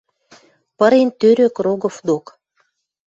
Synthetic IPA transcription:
pəɾent̪øɾøkroɣofd̪ok

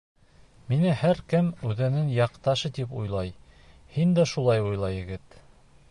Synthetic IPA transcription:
minɘhæɾkɘmʉðɘ̆nɘŋjɑqt̪ɑʃɤt̪ipujlˠɑj | hind̪æʃulˠɑjujlˠɑjɘ̆ɡɘt̪

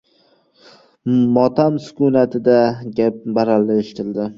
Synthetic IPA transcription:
mɒt̪ʰamsʊ̥kʊnat̪ʰɪd̪aɡʲap̚baɾalːɪeʃɪ̥t̪ʰɪld̪ɪ

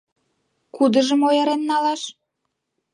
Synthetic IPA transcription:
kud̪ə̆ʒəmojəɾenːɑlɑʃ

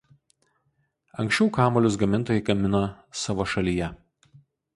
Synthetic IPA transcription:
ɐŋʲksʲt͡ʃʲɛʊkɑːmoːlʲʊs̬ɡɐmʲɪnt̪oːjɛɪɡɐmʲɪno | sɑːʋoːʃɐlʲijɛ

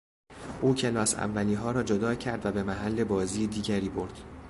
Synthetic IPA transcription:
ʔuːcʰelɒːsæ̰vːæliːnɦɒːɾɒːd͡ʒod̪ɒːcʰæɾd̪væbe̞mæɦælːe̞bɒːziːjd̪iːɟæɾiːboɾd̪̥

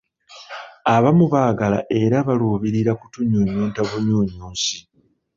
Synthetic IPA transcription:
aβamuβaːɡala̰ʔe̞ɾaβaluːβiɾiɾakutuɲuːɲuːntaβuɲuːɲuːnsi

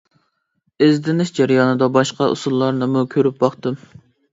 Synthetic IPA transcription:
ezd̪ɪnɪʃd͡ʒæɾjɑnɨd̪ɑbɑʃqɑʔṵsulˠːɑɾnɨmukʲʰøɾyp̚bɑχt̪ɨm

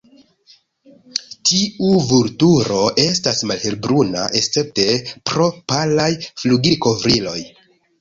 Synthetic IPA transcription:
tiuvuɾtuɾo̞ʔe̞stasmalhe̞lbɾuna̰ʔe̞st͡se̞p̚te̞pɾo̞palajfluɡiko̞vɾilo̞j

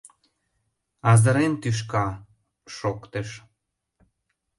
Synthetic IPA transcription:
ɑzə̆ɾent̪yʃ̬kɑ | ʃokt̪eʃ

